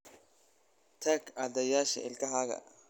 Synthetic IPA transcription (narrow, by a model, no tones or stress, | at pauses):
t̪ʰaɡaːd̪ɛjaːʃɐ̰ɪlkʰɐɦaːɣɐ̰